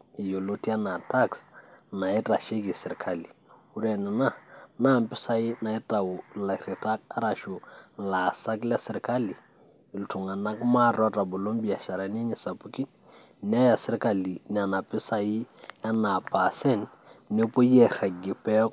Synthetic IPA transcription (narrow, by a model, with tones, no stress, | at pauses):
ɪ˨jo˨lo˦ti˦a˦na˨ta˦ksna˨ɪ˦ta˨ʃe˦ki˨sɪ˨ɾkʰa˦li˨ | u˦ɾɛ˨nɛ˨na˦na˦˨mpɪ˦sa˨i˦na˨ɪ˦ta˨wu˨la˨ɾi˨ta˦k̚a˦ɾa˨ʃo˨la˨sa˦klɛ˦sɪ˨ɾka˦li˨ | ɪ˨ltu˨ŋa˨na˦kma˦ɾɔ˦ta˨bo˨lo˦mbi˨a˨ʃa˨ɾa˨n˦ɛ˦ɲɛ˨sa˨pu˦ki˦n | n˦a˦ja˨sɪ˦ɾka˨li˨n˨a˨na˨pɪ˦sa˨ji˦a˦na˨pa˨sɛ˦n | ne˦po˦jɛ˨ɾa˨ɡɪ˨pɛ˦k